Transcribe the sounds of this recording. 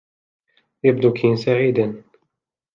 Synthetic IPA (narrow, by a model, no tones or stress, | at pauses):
jabd̪ukʰinsaʕiːd̪an